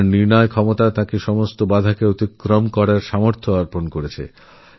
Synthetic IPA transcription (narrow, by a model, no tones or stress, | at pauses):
ɾniɾnɔekʰɔmot̪at̪ãkeʃɔmost̪obad̪ʱakeot̪ikɾomkɔɾaɾʃamoɾt̪ʰoaɾponkoɾet͡ɕʰḛ